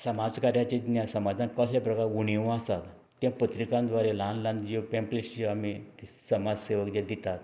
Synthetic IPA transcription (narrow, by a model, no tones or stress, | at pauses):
səmad͡zkaɾjat͡ɕed̪njãsəmad͡zʱankəslapɾəkaɾuɳ̃iʋ̃asat̪ | t̪jãpət̪ɾikãnd̪ʋaɾelãnlãnd̪d͡ʑopẽmplesiamiisəmad͡zseʋəkd̪ãd̪it̪at̪